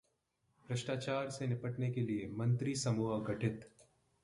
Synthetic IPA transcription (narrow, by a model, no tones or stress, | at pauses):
b̥ɾəʃʈaːt͡ʃaːɾsenɪpəʈnekeliemɐ̃nt̪ɾisɐmuːɦəɡɐʈʰɪt̪